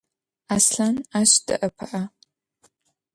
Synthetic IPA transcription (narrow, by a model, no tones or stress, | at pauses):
aːsɬanaːɕd̥ɨ̰ʔɐpʰɨʔɐ